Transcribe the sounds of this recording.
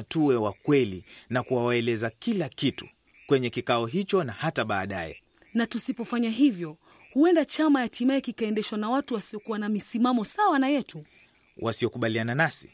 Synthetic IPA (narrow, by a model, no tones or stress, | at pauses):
tuwɛwakwɛlinakuwawaɛlɛzakilakitu̥ | kwɛɲɛkikaɔɦit͡ʃɔnahataɓaːɗajɛ̰ | natusipɔfaɲaɦivjɔ | huɛndat͡ʃamajatʰimaɛkikaɛndɛʃwanawatuwasiɔkuwanamisimamɔsawanajɛtu | wʔa̰siɔkuɓaliananasi̥